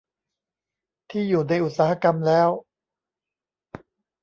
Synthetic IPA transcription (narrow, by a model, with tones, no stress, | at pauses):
t̪ʰiː˥˩juː˨˩na˧jʔu˨˩t̪̚saː˧˦ha˧ka˧mlɛː˦˥w